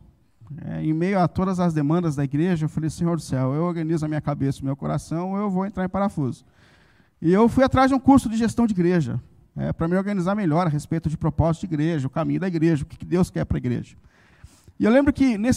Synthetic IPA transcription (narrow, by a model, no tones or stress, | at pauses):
ɛ̰ẽmejʊat̪od̪ɐzɐzd̪emɐ̃nd̪ɐzd̪ɐiɡɾeʒɐewfalejsẽɲoɾd̪ʊsɛwewoɾɡɐ̃nizʊɐmĩɲɐkabesɐʊmewkoɾa̰sɐ̃w̃ɪewvowẽnt̪ɾaɾẽpaɾafuzʊ | ɪewfujat̪ɾazd͡ʒɪũkuɾsʊd͡ʒɪʒest̪ɐ̃w̃d͡ʒiɡɾeʒɐ̰ | ɛ̰pɾɐmĩoɾɡɐ̃nizaɾmeʎɔɾɐɦespejt̪ʊd͡ʒɪpɾopɔzit̪ʊd͡ʒiɡɾeʒɐʊkamĩɲʊd̪ɐiɡɾeʒɐʊkɪ̥kɪd̪ewskɛɾpɾɐiɡɾḛʒɐ | ɪewlẽmbɾʊkɪnes